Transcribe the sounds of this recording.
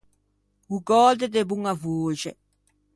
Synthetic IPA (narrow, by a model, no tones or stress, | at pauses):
uɡɔld̪ed̪ebuŋavoːʒɛ